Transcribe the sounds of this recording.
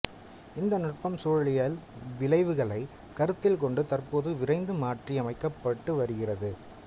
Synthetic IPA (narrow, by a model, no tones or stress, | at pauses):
ɪnd̪ɐnɐʈpɐmsoːɻɐɭɪjaːlʋɪlɐɪʋɯɣɐɭɐɪ | kɐɾɯt̪ːɪlkɔɳɖɯt̪ɐrpoːðɯʋɪrɐɪnd̪ɯmaːʈriɐmɐɪkːɐpːɐʈːɯʋɐɾɯɣɪrɐðɯ